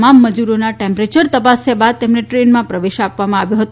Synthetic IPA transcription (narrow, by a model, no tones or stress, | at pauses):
mamːəd͡ʒuɾonaʈẽmpɾet͡ʃəɾt̪əpasebad̪̚t̪emneʈɾenmãpɾəʋeʃapʋamãaʋjoɦət̪